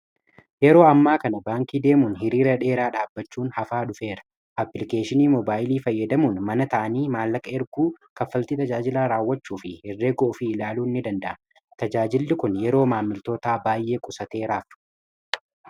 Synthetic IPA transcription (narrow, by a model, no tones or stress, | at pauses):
jɛɾo̞ːɐmːaːkɐnɐbaːŋkiːd̪e̞ːmuːnɦɪɾiːɾɐᶑe̞ːɾaːᶑaːbːɐt͡ʃːuːnhɐfaːᶑʊfe̞ːɾɐ̥ | ʔɐpːɪlɪke̞ːʃɪniːmɔbaːjɪliːfɐjːɐd̪ɐmuːnmɐnɐt̪ɐʔɐniːmaːlːɐkʼɐɛɾɡuːkɐfːɐlt̪iːt̪ɐd͡ʒaːd͡ʒɪlaːɾaːwːɐt͡ʃːuːfɪhɪrːe̞ːɡɔʔʊfɪːlaːluːnːɪd̪ɐnd̪ɐʔɐ | t̪ɐd͡ʒaːd͡ʒɪlːɪkʊnjɛɾo̞ːmaːmːɪlt̪o̞ːt̪aːbaːjʔe̞ːkʼʊsɐt̪e̞ːɾaːf